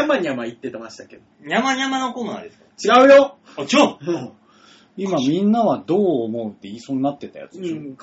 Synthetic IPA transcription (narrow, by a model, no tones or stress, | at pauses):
amaɲiamait̪ːe̞t̪amaɕi̥t̪aked̪oɲʲamaɲʲamanokoːna̰ːd̪esɨ̥kat͡ɕiɡaɯ̟jot͡ɕõ | imamʲĩnːaβad̪o̞ːmo̞ɯt̪ːe̞iːsõɲinat̪ːe̞t̪a̰ja̰t͡sɨ̥